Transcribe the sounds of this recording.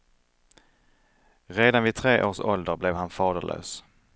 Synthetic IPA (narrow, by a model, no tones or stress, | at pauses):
ɾeːd̪anvɪt̪ʰɾeːʔoːʂɔld̪əɾblɛvhanfɑːd̪əɭʔø̰ːs